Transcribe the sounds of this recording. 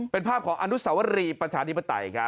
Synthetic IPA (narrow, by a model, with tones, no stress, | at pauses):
pe˧npʰaː˥˩p̚kʰɔː˩˦ŋʔa˧nu˦˥sa˩˦wa˦˥ɾiː˧pɾa˧t͡ɕʰaː˧t̪ʰi˦˥pːa˧t̪a̰˧jkʰɾa˦˥